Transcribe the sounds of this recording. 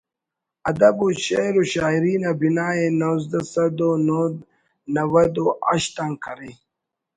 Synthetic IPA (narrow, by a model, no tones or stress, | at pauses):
ɐd̪ɐbuɕeɾuɕaːiɾiːnabinaːenozd̪asɐd̪onod̪ | nɐwɐd̪oʔɐ̰ɕt̪aŋkʰɐɾi